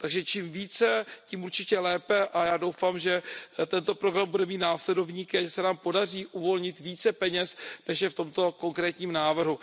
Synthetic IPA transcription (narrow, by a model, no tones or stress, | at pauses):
t̪aɡʒɛt͡ʃiːmviːt͡sɛciːmuɾt͡ʃɪcɛlɛːpɛʔajaːdo̞wfaːmʒɛt̪ɛnt̪o̞pɾoɡɾambudɛmiːt̪̚naːslɛdo̞vɲiːkɪaʒɛsɛnaːmpo̞dariːʔuvo̞lɲɪt̪viːt͡sɛpɛɲɛsnɛʃjɛft̪o̞mt̪o̞ko̞ŋkɾɛːt̪ɲiːmnaːvr̩ɦu